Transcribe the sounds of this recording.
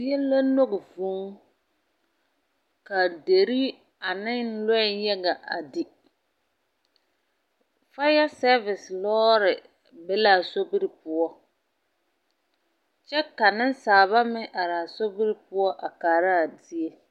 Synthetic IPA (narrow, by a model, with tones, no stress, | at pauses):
ɛ˦la˦no˦ɣɪ˨vu˦ŋ | ka˨de˨ɾi˦ | a˨nɪ˦lɔ˦˨jɛ˦ɡa˨ʔa˨di˨ | fa˦ja˦sɛ˦vɪ˨slɔː˦ɾɪ˨ | bɛ˦laː˨so˦bi˦ɾɪ˨pʊ˦ɔ˦ | t͡ʃɛ˦ka˨nɪ˦n˦saː˨βa˦mɪ˦ʔa˨ɾaː˨so˦bi˦ɾɪ˨pʊ˦ɔ˦ʔa˨kaː˨ɾa˦˨di˦e˦